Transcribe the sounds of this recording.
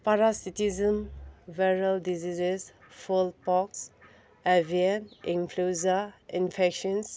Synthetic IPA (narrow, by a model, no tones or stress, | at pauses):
paɾasitizə̃mvɛɹaldizizes | fulpɔks | aviənĩnfʰluzainfɛkʃɔ̃ns